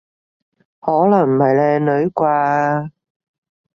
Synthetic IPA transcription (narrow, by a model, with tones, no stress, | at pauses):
hɔː˨˥lɐ˨˩ŋmɐ˨˩jlɛː˧nɵ˨˥jkʷaː˧